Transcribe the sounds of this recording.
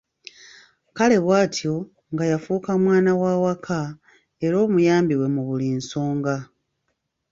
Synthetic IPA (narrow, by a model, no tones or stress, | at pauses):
kale̞βwaːtjo̞ | ŋɡajafuːkamwaːnawaːwakʰa | e̞ɾo̞ːmujaːmbiwe̞muβuliːnso̞ːŋɡa